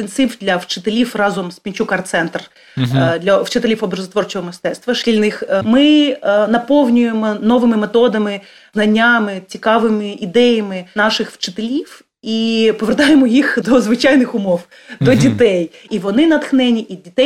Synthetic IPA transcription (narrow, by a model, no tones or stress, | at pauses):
t̪ensɪwd̪lʲɐwt͡ʃɪ̥t̪elʲiwrɑzɔmspʲinʲt͡ʃukɐrt̪sɛnt̪r | d̪lʲɐwt͡ʃɪt̪elʲifɔbrɐzɐt̪ʋɔrt͡ʃɔɦɔmɪst̪ɛt̪st̪ʋɐʃkʲilʲnɪxmɪnɐpɔwnʲʊjemɔnɔʋɪmɪmet̪ɔd̪ɐmɪ | znɐnʲːamɪt͡sʲikɑʋɪmɪʔid̪ɛjɐmɪnɑʃɪxwt͡ʃɪ̥t̪elʲiw | ipɔʋert̪ɑjemɔjixd̪ɔzʋɪt͡ʃɑjnɪxʊmɔw | d̪ɔdʲit̪ɛj | iʋɔnɪnɐt̪xnɛnʲiʔidʲit̪ɛj